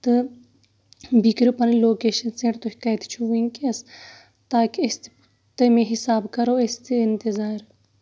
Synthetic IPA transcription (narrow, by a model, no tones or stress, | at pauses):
t̪ɨ | bikɾupɐnloːkeːʃɐnsẽːʈt̪oɦi̥kaːjt̪t͡ʃʰuʋiŋkiɐs | t̪aːkiɐst̪ | t̪ɐmẽɦisaːbkɐɾoːest̪iɪnt̪izaːɾ